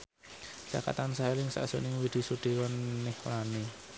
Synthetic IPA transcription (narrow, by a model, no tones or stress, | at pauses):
t͡ʃa̰ka̰t̪ansaelɪŋsa̰ʔsṵnɪŋwid̪̥i̤suɖ̪̥i̤wɔnːɛhlani